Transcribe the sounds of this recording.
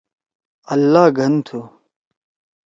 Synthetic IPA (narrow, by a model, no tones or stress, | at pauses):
ɐlːaːɡʱɐnt̪ʰu